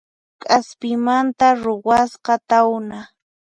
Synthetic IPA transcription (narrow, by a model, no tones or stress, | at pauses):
kʼaspɪmant̪aɾowɑsqɑt̪awna